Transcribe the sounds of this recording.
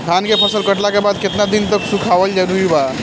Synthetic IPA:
k̪ʰankepʰəsəlkəʈlakebad̪ket̪nad̪int̪əksukʰaʋəld͡ʒanuiba

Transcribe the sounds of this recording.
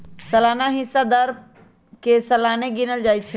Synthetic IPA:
səlanaɦisad̪əɾb | kesəlaneɡinəld͡ʒajt͡ʃʰɛ

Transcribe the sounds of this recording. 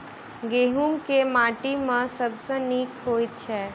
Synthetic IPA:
ɡeːɦumkemaːʈimẽsəbseniːkʰɦoːit̪t͡ʃʰɛː

